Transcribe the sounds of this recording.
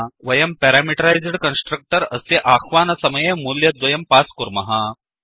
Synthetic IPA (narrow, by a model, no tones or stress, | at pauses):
ʋɐjɐmpɛɾamiʈɐɾajd͡zɽkənsʈɾɐk̚ʈəɾəseʔaxʋaːnɐsɐmɐjemuljɐd̪ʋɐjɐmpaskuɾmɐɦa